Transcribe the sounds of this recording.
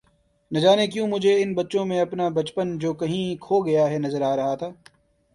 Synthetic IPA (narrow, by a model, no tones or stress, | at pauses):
nɐd͡ʒaːnek̬jũːmʊd͡ʒʱeɪnbɐtːʃõmẽɐpnabɐt͡ʃpənd͡ʒoːkɐɦĩkʰoːɡɐjaɦɛnɐzəɾaːɾɐɦat̪ʰaː